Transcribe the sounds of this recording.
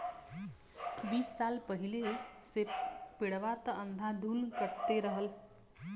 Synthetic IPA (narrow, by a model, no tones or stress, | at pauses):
ʋiːsːalpəɦileseppiɽʋat̪ənd̪ʱãd̪ʱuːnkəʈt̪eɾəɦəl